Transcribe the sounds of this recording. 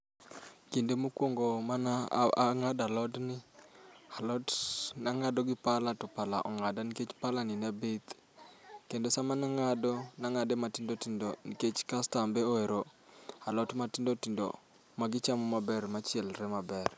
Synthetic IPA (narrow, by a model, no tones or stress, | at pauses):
kindemukwoŋɡomanaaŋadalɔtnɪ | alɔtnaŋadɔɡɪpalatʊpala̰ʔɔŋadaniket͡ʃpalaninabet̪ | kendosamanaŋadɔnaŋadematɪndotindoniket͡ʃkastambeoeɾoalɔtmatɪndotindo̰ | maɡɪt͡ʃamɔmabɛɾmat͡ʃjɛlɾɛmabɛr